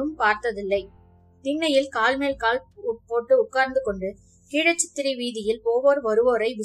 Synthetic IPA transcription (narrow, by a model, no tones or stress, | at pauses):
ɯmpaːɾt̪ɐðɪlːɐɪ | t̪ɪɳːɐjɪlkaːlmeːlkaːlʊpoːʈːɯʊkːaːɾnd̪ɯkɔɳɖɯ | hiːɻɐt͡ʃːɪt̪ːɪɾiʋiːðɪjɪlpoːʋoːɾʋɐɾɯʋoːɾɐɪʋɪ